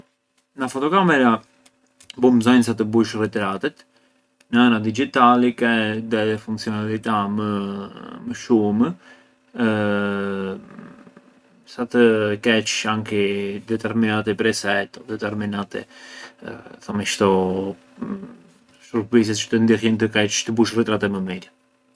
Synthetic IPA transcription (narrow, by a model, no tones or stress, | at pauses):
nafɔt̪ɔkamɛɾa | bumzajns̬at̪̬əbuʃrɛt̪ɛɾat̪ɛt̪ | nəanad̪id͡ʒit̪alikɛðɛɛfuŋkt͡sijɔnalit̪amə | məʃum | sat̪əkɛt͡ʃaŋkid̪ɛt̪ɛɾminat̪ɛpɾɛsɛt̪ɔd̪ɛt̪ɛɾminat̪ɛ̰ | θɔmiʃt̪ɔ | ʃɾuɾpis̬ɛst͡ʃə̥t̪ənd̪ixjɛnt̪əkɛt͡ʃt̪əbuʃrɛt̪ɾat̪ɛməmɛd̪jɛ